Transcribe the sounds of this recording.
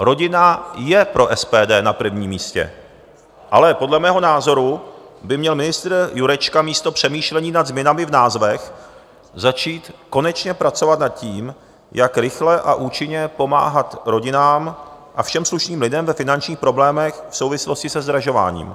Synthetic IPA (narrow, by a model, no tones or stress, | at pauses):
ɾo̞ɟɪnajɛpɾo̞ʔɛspɛːdɛːnapɾ̩vɲiːmiːscɛ̰ | ʔa̰lɛpo̞dlɛmɛːɦo̞naːzo̞ɾu | bɪmɲɛlmɪnɪst̪ɾjuɾɛt͡ʃkamiːst̪o̞pr̥ɛmiːʃlɛɲiːnad̪zmɲɛnamɪvnaːzvɛx | zat͡ʃiːt̪ko̞nɛt͡ʃɲɛpɾat͡so̞vat̪nat̪̚ciːm | jakɾɪxlɛʔaʔuːt͡ʃɪɲɛpo̞ma̰ːɦat̪ɾo̞ɟɪnaːm | ʔafʃɛmsluʃniːmlɪdɛmvɛfɪnant͡ʃɲiːxpɾo̞blɛːmɛxfso̞wvɪslo̞scɪsɛzd̪ɾaʒo̞va̰ːɲḭːm